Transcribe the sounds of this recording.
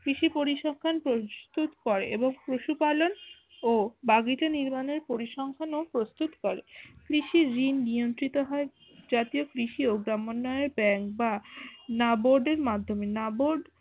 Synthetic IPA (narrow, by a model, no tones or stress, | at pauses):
kɾiʃipoɾiʃɔŋkʰanpɾost̪ut̪kɔɾeʔeboŋpɾoʃupalon | obaɡitaniɾmaneɾpoɾiʃɔŋkʰanopɾost̪ut̪kɔɾekɾiʃiɾinːijont̪ɾit̪oɦɔe | d͡ʑat̪iokɾiʃioɡɾamonːɔeeɾbɛŋk̚banaboɾɖeɾmad̪ʱːomenaboɾɖ